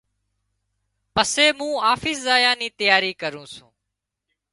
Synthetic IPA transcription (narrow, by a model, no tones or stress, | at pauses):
pəseːmũːaːfɪːszaːjãːniːt̪əjaːɾiːkəɾũːsṵ̃ː